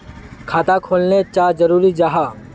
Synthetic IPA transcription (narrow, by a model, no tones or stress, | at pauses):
kʰaːt̪akʰoːlnet͡ʃaːd͡ʒɐɾuːɾid͡ʒaɦaː